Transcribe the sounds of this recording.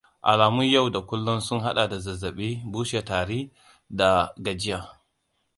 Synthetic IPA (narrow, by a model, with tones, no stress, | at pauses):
ʔa̰˨laː˨mʊ˦ɲja˦˨wda˨kʷʊ˦lːʊ˦nsʊ˦ŋɦa˦ɗa˨da˨zɐ˨zːɐ˨ɓiː˦buː˦ʃe˨taː˨ɽiː˦ | da˨ɡɐ˨d͡ʒɪ˦jaː˨